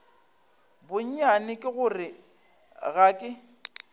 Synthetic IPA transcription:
bʊɲ̩ɲanɪkʼɪɣʊrɪ | ɣaːkʼɪ

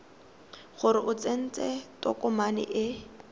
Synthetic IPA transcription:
χʊɾɪʔʊt͡sen̩t͡sʼɛtʼɔ̰kʼʊmanɪ̰ʔɪ

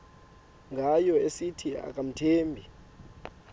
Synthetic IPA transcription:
ŋɡʱajɔesitʰia̰k̬ʼam̩tʰeːmbʱi

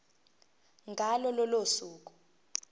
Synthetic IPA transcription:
ŋɡʱalɔlɔlosuːk̬ʼu̥

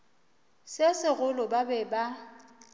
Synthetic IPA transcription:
sɪsɪɣʊlʊbabɛba

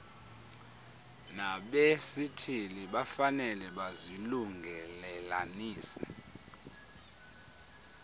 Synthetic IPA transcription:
naɓesitʰiliɓafanɛlɛɓaziluŋɡʱɛlɛlaniːsɛ̰

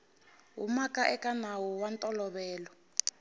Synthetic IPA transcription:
ɦṵmakʼaʔɛkʼanawuwantʼɔlɔβɛːlɔ

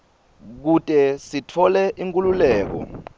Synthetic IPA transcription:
k̬utʼɛsitʰɔlɛʔiŋkʼululɛːk̬ɔ̰

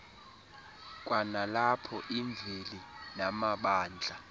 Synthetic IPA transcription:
k̬ʼwanalapʰɔʔiɱbvʱelinamaɓaːnd͡ɮʱa

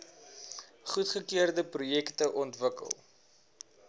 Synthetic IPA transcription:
χutχəkiərdəprujɛktəʔɔntvəkə̰lˠ

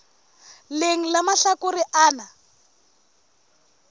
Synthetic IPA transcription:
leŋ̩lamaɬakuɾiʔaːna

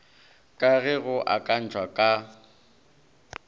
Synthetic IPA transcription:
kʼaɣɛɣʊʔakʼan̩t͡ʃʰʼwakʼa

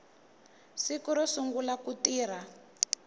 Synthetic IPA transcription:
sikuɾɔsuŋɡulakutiːɾ̤a

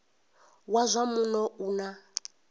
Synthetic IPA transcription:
wazʷamunɔuna

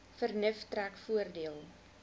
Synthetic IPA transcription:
fərnəftrækfuərdiəlˠ

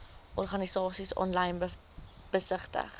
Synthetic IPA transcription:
ʔɔrχɐnisɑːsisɑ̰ːnlɐjn | b̥əsəχtə̰χ

